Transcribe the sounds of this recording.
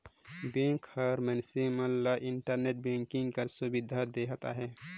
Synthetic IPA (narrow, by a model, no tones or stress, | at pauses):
bẽkʰɔɾmɛnisiməlːaʔiɳʈəɾneʈ̚bẽŋkiŋɡkəɾsubid̪ʱad̪eɦat̪a̰ɦɛ